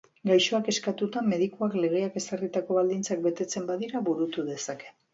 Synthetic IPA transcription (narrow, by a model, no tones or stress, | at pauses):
ɡajʃo̞ake̞skat̪ut̪ame̞ðikuakle̞ɣ̞e̞ake̞sarit̪ako̞βald̪int͡sak̚be̞t̪e̞t͡se̞mbaðiɾaβuɾut̪uðe̞sake̞